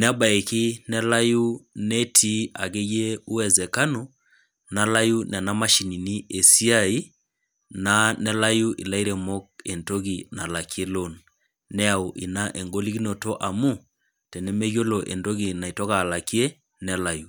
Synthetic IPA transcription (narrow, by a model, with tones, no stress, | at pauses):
nɛ˦a˦ba˨e˨kɪ˦nɛ˦la˦ju˦nɛ˦tʰi˦a˨ɣe˦je˦u˦ɛ˨zɛ˨ka˦nu˨ | na˦la˦ju˦n˨a˨na˦ma˦ʃi˨ni˨ni˦e˨si˦a˦˨i˦ | na˦nɛ˦la˦ju˦ʔḭ˨la˦i˦ɾɛ˨mo˦k̚e˨nto˦ɣi˨na˨la˨ki˦e˦lo˦˨nː | ɛ˦a˨u˨ʔi˨na˦ʔe˨ŋɡo˦li˦ɡi˦no˨to˦ʔa˨mu˦ | tɛ˨nɛ˦me˦ɣjo˦lo˨ʔḛ˨ndo˦ɣi˨na˨i˨tɔ˦ɣaː˨la˨ki˦e˦ | nɛ˦la˨ju˨